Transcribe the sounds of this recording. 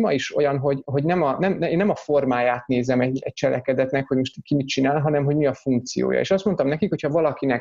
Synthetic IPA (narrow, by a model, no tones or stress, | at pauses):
mɒiʃo̞̰jɒnɦo̞ɟɦo̞ɟnɛmɒnɛmeːnːɛmɒfo̞rmaːjaːt̪neːzɛmɛɟɛc̚t͡ʃɛlɛ̰kɛd̪ɛt̪nɛkho̞ɟmo̞ʃt̪ikimit͡ʃinaːlɦɒnɛmɦo̞ɟmiɒfuŋk̚t̪sḭjo̰ːjɒ̰ḛːʃɒst̪mo̞nt̪ɒmnɛkikho̞chɒvɒlɒkinɛk